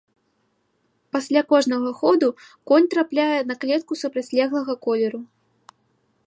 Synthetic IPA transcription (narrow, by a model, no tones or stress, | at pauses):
pasʲlʲakɔʐnɐɣɐxɔd̪u | kɔnʲt̪ɾaplʲajɛnɐklʲɛt̪̚kusupɾɐt͡sʲlʲɛɣlˠɐɣɐkɔlʲɛɾu